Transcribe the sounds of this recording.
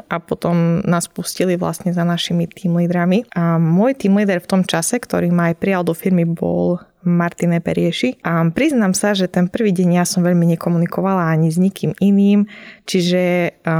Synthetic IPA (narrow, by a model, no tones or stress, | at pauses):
ʔapɔt̪ɔmnaːspusciliʋla̰st̪ɲɛzanaʃimit̪iːmliːd̪ɾamiʔamʊɔjt̪iːmliːd̪ɛɾft̪ɔmt͡ʃasɛkt̪ɔ̰ɾiːmaːjpɾijald̪ɔfiɾmibɔ̰l | maɾt̪inɛpɛ̰ɾɪɛʃipɾiznamsaʒɛt̪ɛnpr̩ʋiːɟɛɲjasɔmʋɛʎmiɲɛkɔmunikɔʋalaaɲizɲikʰiːminiːmt͡ʃiʒɛ